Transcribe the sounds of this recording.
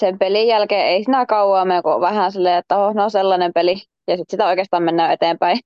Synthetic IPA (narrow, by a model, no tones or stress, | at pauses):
sempelijjælkeːeˑisinækɑuwɑːmeŋkuʋæhænsilːeːˑet̪ːæhosneonselːɑnempeli | jɑsit̪sit̪æoˑikeːst̪ɑːmenːæːjet̪eːmpæi